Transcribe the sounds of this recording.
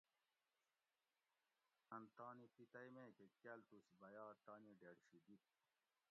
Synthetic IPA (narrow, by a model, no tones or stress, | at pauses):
ɐnt̪aːnipit̪ɐjmẽːkekɐlt̪usibɐjaːɾt̪aːniɖeːɽɕid̪it̪̚